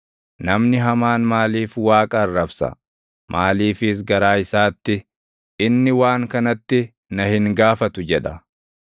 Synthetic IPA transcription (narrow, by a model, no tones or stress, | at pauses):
nɐmnɪɦɐmaːnmaːliːfwaːkʼɐrːɐbsɐ̰ | mʔaːliːfɪs̬ɡɐɾaːɪsaːt̪ːɪ | ʔɪnːɪwaːŋkɐnɐt̪ːɪ | nɐhɪŋɡaːfɐt̪ʊd͡ʒɛᶑɐ